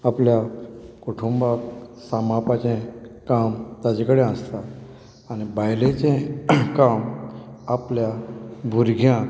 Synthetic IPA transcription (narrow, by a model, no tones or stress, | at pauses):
apljakoʈʰumbaksamapat͡ɕẽkamt̪ad͡ʑekəɽẽə̃st̪aː | nibajlẽt͡ɕẽkamapljabʱuɾɡʱjã